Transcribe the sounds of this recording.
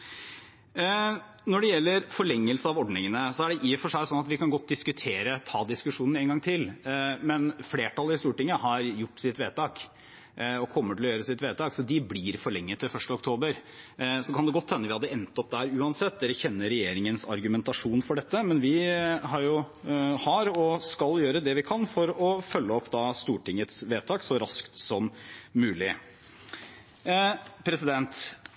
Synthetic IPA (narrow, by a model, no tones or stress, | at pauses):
nɔɖɛjɛlːəɾfɔɭɛŋːəlsəɑʋɔɖnɪŋənəsɔæɖɛʔiːɔfɔʂæɪsɔnːɑt̪ʋɪkʰɑnɡɔt̪̚ːd̪ɪskʉt̪ʰeːɾət̪ʰɑːd̪ɪskʉʂuːnn̩eːnɡɑŋt̪ʰɪlmɛnfleːʈɑləɾɪst̪uːʈɪŋːəhɑɾjʊʈːsɪt̪ʋeːt̪ɑːk | ɔkʰɔmːəʈʰɪlɔjøːɾəsɪt̪ʋeːt̪ɑːksɔd̪ɪblɪɾfɔɭɛŋːət̪ʰːɪfœʂʈəɔkt̪ʰoːbəɾsɔkʰɑnd̪ɛɡɔt̪ʰːɛnːəʋɪhɑd̪ːəɛnt̪ɔp̚d̪æːɾʉːɑnsɛt̪̚d̪ɛɾəçɛnːəɾɛjeːɾɪŋənsɑ̰ɾɡʉmɛnt̪ɑʂuːnfɔɖɛt̪ːəmɛnʋɪɦɑɾjʊ | hɑɾɔskɑljøːɾəd̪ɛʋɪkʰɑnfɔɾɔfœlːəɔpːd̪ɑːst̪uːʈɪŋːət̪sʋeːt̪ʰɑːksɔɾɑskt̪sɔmːʉːlɪ | pʰɾɛsɪd̪ɛnt̪